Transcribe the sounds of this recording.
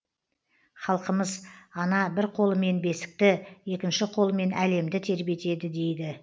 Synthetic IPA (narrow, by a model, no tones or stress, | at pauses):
χɑlˠqəməzɑnɑbɪɾqʰo̞lˠəme̞nbe̞sɪ̥k̚t̪ɪje̞kʲɪnʃɪqʰo̞lˠəme̞nʔæle̞md̪ɪt̪ʰe̞ɾbie̞t̪e̞d̪ɪd̪e̞jd̪ɪ